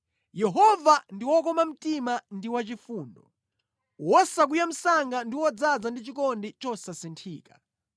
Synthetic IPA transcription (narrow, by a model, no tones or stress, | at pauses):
jɛɦɔvandiwɔk̬ɔmam̩timandiwat͡ʃifuːndɔ | wɔsak̬ujam̩saŋɡandiwɔd͡zad͡zandit͡ʃikɔndit͡ʃɔsasintʰiːkḁ